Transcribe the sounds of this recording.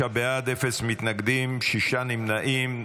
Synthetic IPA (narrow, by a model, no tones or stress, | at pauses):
abead̪efesmit̪naɡd̪imʃiʃanimnaʔim